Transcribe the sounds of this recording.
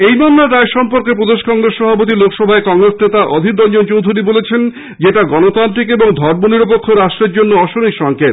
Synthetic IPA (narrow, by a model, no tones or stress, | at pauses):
ejnɔnːaʈ̪aeʃɔmpoɾkep̬ɾod̪eʃkɔŋɾesːɔbʱapot̪̬ilokʰʃɔbʱaekɔŋɾesnet̪aʔɔd̪ʱiɾ̚d̪ɔnd͡ʑont͡ɕowd̪ʱuɾibolet͡ɕʰen | d͡ʑeʈaɡɔnot̪ant̪ɾikeboŋd̪ʱɔɾmoniɾop̬okʰːoɾaʃʈɾeɾd͡ʑonːoɔʃoniʃɔŋkʰet̪